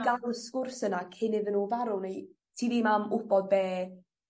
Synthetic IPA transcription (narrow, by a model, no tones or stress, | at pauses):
ɡaɾəskʊrsənakʰɪnɪvənuvaɾʊnej | tʰiːnimamʊb̥ɔd̚bɛː